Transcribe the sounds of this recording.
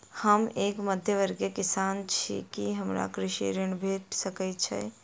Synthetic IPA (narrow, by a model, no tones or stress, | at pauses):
həmeːkməd̪ʱjəʋəɾɡekɪsaːnt͡ʃʰḭkiɦɐmɾa̰kɾɪʃḭːɾjəɳbʱeːʈ̪sɐkəit͡ʃʰɛ̰ː